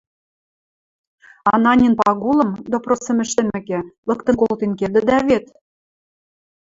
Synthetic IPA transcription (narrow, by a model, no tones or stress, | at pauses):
ɑnɑnʲinpɑɣulɤ̆md̪oprosə̆mɘ̆ʃt̪ɘ̆mɘ̆kĕlɤ̆kt̪ɤ̆nkolt̪enkerd̪ɘ̆d̪æβet̪